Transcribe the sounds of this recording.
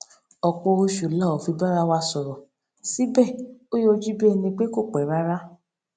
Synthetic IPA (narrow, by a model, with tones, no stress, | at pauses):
ɔ˨k͡pɔ˧o˧ʃu˨la˦˨o˨fi˧ba˦ɾa˦wa˧sɔ˨ɾɔ˨ | si˨˦bɛ˦˨o˦jo˦˧d͡ʒi˦bi˦ɛ˧nĩ˧k͡pe˦ko˦˨k͡pɛ˨˦ɾa˦ɾa˦